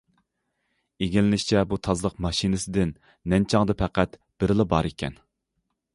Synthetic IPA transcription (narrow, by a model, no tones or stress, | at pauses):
eɡʲilɪnɪʃt͡ʃʰɛbut̪ʰɑzlˠəqmɑʃinɨsɪd̪ɪnː | ɛnt͡ʃʰɑŋd̪ɨpʰɛqʰæt̪ | b̥ɪɾɪlˠɨbɑɾekʲʰɛ̰n